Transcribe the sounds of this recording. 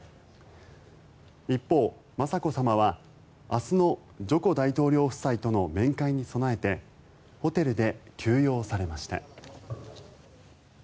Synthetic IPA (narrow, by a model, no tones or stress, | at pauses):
ipːo̞ː | masako̞samaβ̞a | asɨno̞ | d͡ʑo̞ko̞d̪ait̪o̞ːɾʲo̞ːɸɯ̟̥sait̪o̞no̞mẽ̞ŋkaiɲ̟iso̞nae̞t̪e̞ | ho̞t̪e̞ɾɯ̟d̪e̞kʰʲɨːjo̞ːsaɾe̞maɕi̥t̪a̰